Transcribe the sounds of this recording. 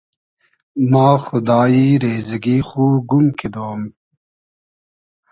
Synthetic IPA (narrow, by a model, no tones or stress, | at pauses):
mɑːxʊd̪ɑːiɾeːzɐɡixuːɡumkʰed̪oːm